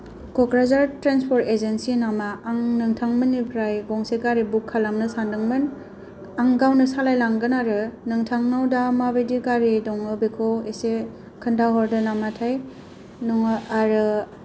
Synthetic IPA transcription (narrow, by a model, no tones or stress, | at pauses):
kɔkɾazaɾtɾanspʰɔɾtezensinamaːŋnɯŋtʰaŋmɯnːipʰɾajɡɔŋseɡaɾibukʰːalamnɯsandɯŋmɯn | aŋɡawnɯsalajlaŋɡɯnaɾɯnɯŋtʰaŋnawdamabejdiɡaɾidɔŋɯbekʰowese | kʰɯndaɦɔɾdɯnamatʰaj | nɔŋɯaɾɯ